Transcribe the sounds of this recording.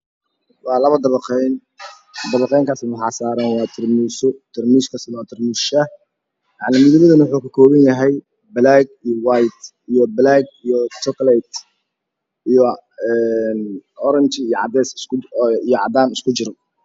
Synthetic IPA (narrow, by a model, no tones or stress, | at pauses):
wɑːlɐβɐd̪ɐβɐqɛjn | d̪ɐβɑqɛjŋkʰaːsɪnʊħɑːsaːɾɐnwɑːt̪ʰɪrmiːsʊt̪ʰɪrmiːskʰɐsɐnːt̪ʰɪrmiːsʃɐ | jɑʕnɪmɪðɪβɐðɐnwʊħuːkʰɐkʰɔːβɐnjɐɦɛj | blaɡijɔwajt̪ | ijɔblaɡijɔt̪ɔkʰlɛt̪ | ijɔ | ɛnɔɾɐnt͡ʃɪːjɔʕɑd̪ɛːs | ijɔʕɑ̰d̪aːnɪskʰʊt͡ʃɪɾɔ